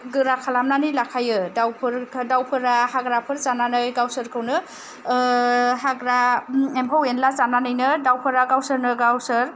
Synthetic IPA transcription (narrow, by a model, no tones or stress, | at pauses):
ɡɯɾakʰalamnanɯjlakʰajɯdawpʰɯɾʰdawpʰɯɾahaɡɾapʰɯɾt͡ʃananɯjɡawsɯɾkʰɯwnɯ | ɦaɡɾaemkʰɔwenlazananɯjnɯdawpʰɯɾaɡawsɯɾnɯɡawsɯɾ